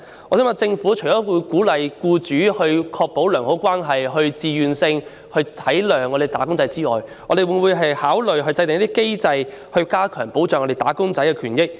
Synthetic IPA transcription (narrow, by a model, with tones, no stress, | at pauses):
ɔː˨˧˥sɛː˥ma˨˧t͡sɪ˧ŋfuː˨˥t͡ʃʰɔː˨˥wu˨˧jkuː˨˥lɐ˨jkuː˧t͡ʃyː˨˥hɵ˧ɥkʰɔː˧k̚po˨˥wlœː˨˩ŋho˨˥wkʷwaː˥nɦɐ˨jɦɵ˧ɥt͡siː˨jyː˨nsɪ˧ŋ | hɵ˧ɥt̪ʰɐ˨˥jlœː˨˩ŋɔ˨˧e˨˩jt̪aː˨˥kʊ˥ŋt͡sɐ˨˥jt͡siː˥ɔ̰ː˨jŋɔ˨˧ɾe˨jwu˨˥wuː˨˧jɦɐ˨jhaː˨˥wlɵ˨ɥɦɵ˧t͡sɐ˧jt̪e˨ŋjt̪i˥ke˥jt͡sɐ˧jhɵ˧ɥkaː˥kʰœː˨˩ŋpo˨˥wt͡ʃœː˨ŋɔ˧de˨˩t̪aː˨˥kʊ˥ŋt͡sɐ˨˥jkɛ˧kʰyː˨˩njɪ˥k̚